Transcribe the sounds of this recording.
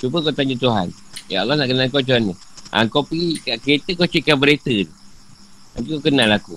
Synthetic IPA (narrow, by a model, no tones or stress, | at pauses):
t͡ʃubəkot̪aɲat̪uɦa̰n | ja̰ɑlːɔhnaʔkənalkot͡ʃuanːəʔa̰ŋkopikaʔket̪əkot͡ʃikabəɾet̪ət̪u | a̰ŋkukokənalaku